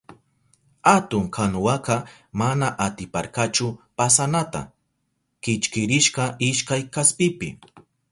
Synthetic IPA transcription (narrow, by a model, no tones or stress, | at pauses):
hat̪ʊŋkʰanʊwakɑ | manaʔat̪ɪpa̰ɾkat͡ʃʊpasanat̪a̰ | kɪt͡ʃkɪɾɪʃqɑʔɪʃkajkaspɪpɪ̰